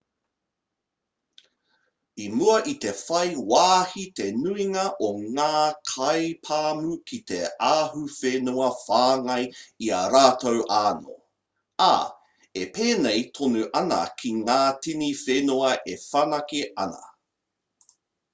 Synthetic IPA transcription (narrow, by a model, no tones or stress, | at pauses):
imuɐʔit̪e̞fɐjwaːhit̪enuiŋɐʔoŋaːkʰɐjpʰaːmukʰitḛaːɦufenuɐfaːŋɐjiɐɾaːtʰowʔaːno̰ | a̰ | epeːnejtʰonuʔɐnɐ̰kʰiŋaːtinifenuɐʔefanɐkiʔɐ̰nɐ̰